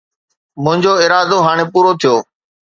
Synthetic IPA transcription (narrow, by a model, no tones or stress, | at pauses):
mʊ̃ɦɪ̃ɲd͡ʑoːɪːɾaːd̪oɦaːɽ̃eːpuːɾot̪ʰijoː